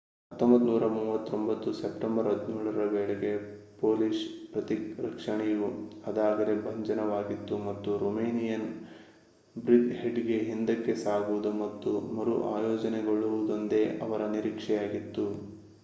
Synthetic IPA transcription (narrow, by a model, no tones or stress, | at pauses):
ɐɐt̪ːombɐd̪nuːɾɐmuːʋɐt̪ːo̞mbɐt̪ːusepʈembɐɾɦɐd̪nuːɭɐɾɐʋeːɭɛɡe̞poːliʂpɾɐt̪ikɾɐkʂɐɳɛjuɐd̪aːɡɐɾe̞bʱɐɲd͡ʒɐnɐʋaːɡit̪ːumɐt̪ːuɾomeːnijɐn | bɾiɖheɖiɡe̞ɦind̪ɐkːe̞saːɡuʋud̪umɐt̪ːumɐɾṵʔa̰ːjɔːd͡ʒɐnɛɡoɭuʋud̪ond̪e̞ʔɐʋɐɾɐniɾikʂɛjaːɡit̪ːu